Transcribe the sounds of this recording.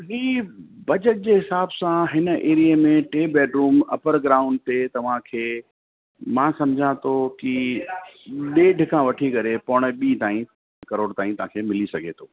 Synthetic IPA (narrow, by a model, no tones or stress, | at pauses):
ɦiːbɐd͡ʑəʈ̚d͡ʑeːɦɪsaːbsãɦɪnə̆ʔeːɾijemẽʈeːbɛːʈɾuːmɐ̰pəɾɡɾaːʊ̃ɳɖ̚t̪et̪ɐʋ̤ãkʰeː | mãːsɐ̃md͡ʑʱãt̪ʰoki | ɗeːɖʱɪkʰãʋɐʈʰikɐɾepɔɽ̃̆ɓiːt̪aːĩ | kɐɾoːɽt̪aːĩt̪ɐʋ̤ãkʰeːmɪlisɐɡʱet̪ʰoː